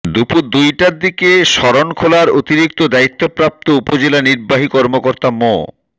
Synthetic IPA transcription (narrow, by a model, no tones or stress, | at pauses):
d̪upuɾd̪ujʈaɾd̪ikeʃɔɾonkʰolaɾot̪iɾik̚t̪od̪ait̪ːopɾap̚t̪oupod͡ʑelaniɾbaɦikɔɾmokoɾt̪amɔ̰